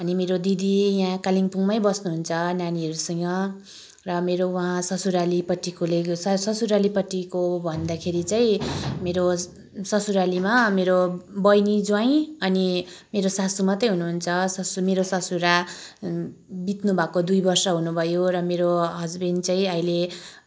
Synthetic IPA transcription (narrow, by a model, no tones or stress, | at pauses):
ʌnimeɾod̪id̪ijãkaliŋpuŋmʌjbʌsnuɦunt͡sʰʌnaniɦʌɾusʌŋɡʌ | rʌmeɾowaɦãsʌsuɾalipʌʈːikolessʌsuɾalipʌʈːikobʱʌnd̪akʰeɾit͡saĩmeɾo | sʌsuɾalimameɾobʌjnid͡zwãĩʌnimeɾosasumat̪ʌjɦunuɦunt͡sʰʌsʌsumeɾosʌsuɾa | bit̪nubʱakod̪ujbʌrsʌɦunubʱʌjorʌmeɾoɦʌd͡zbint͡saĩʌile